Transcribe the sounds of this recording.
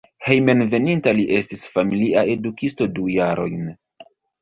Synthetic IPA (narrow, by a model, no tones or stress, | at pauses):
he̞jme̞nve̞nintaliʔe̞stisfamiliʔae̞dukisto̞dujaɾo̞̰jn